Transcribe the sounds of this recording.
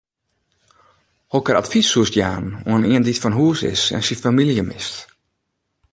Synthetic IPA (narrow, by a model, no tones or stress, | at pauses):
hɔkəɾa̰tfisuəstjaːnuəəniənditfɔnɦuəsɪ̰sɛ̰nsifamiljəmɪst